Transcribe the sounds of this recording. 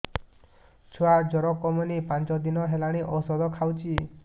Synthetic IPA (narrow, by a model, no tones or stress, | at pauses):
t͡ʃʰuad͡ʒɔɾɔkɔmɔnipant͡ʃɔd̪inɔɦelaɽ̃iʔɔsɔd̪ɔkʰawt͡ʃʰi